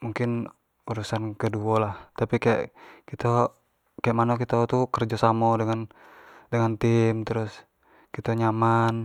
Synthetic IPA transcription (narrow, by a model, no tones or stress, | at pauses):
muŋkɪn | uɾusankəduolaht̪apikaja̰ʔkit̪o | kajaʔmanokit̪ot̪ukərd͡ʒɔsamɔdəŋan | dəŋant̪ɪmt̪əɾʊs | kit̪oɲaman